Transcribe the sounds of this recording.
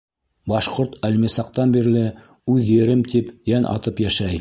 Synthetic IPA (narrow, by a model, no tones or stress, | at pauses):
bɑʃqoɾt̪ælmisɑq̚t̪ɑnbiɾlɘ | ʉðjɘ̆ɾɘmt̪ipjænʔɑ̰t̪ɤpjæʃæj